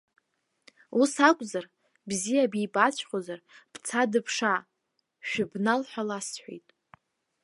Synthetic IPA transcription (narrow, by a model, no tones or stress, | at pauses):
usakʷʼzar | bzijabijbat͡ɕʷʰʼχʷʼozarb̥t͡sʰadɨpʰʂa | ʃᶣʊbnalħʷᶣalasħʷḛjtʼ